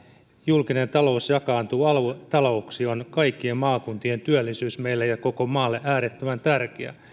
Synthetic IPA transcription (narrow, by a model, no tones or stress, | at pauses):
julkine̞nt̪ɑlo̞usjɑkɑːnt̪uːɑlt̪ɑlo̞uksionkɑikːiemmɑːkunt̪ient̪yølːisyːsmeilːejɑko̞komɑːlːeʔæːɾet̪ːømænt̪ærkeæ̰